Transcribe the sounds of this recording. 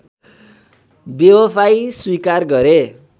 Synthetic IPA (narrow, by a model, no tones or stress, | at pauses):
bewopʰajswikarɡʌɾe